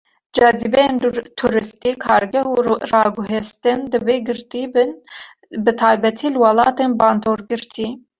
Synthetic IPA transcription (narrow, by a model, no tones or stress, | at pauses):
d͡ʒɑzibɛjent̪ʰuɾɨst̪iːkʰɑːɾɡɛhuːrɑːɡʊɦest̪ɨnd̪ɨbeːɡɨɾt̪iːbn | bɨt̪ʰɑːjbɛt̪ʰiːlɨwɑlɑːt̪eːnbɑːnd̪oːɾɡɨɾt̪ʰiː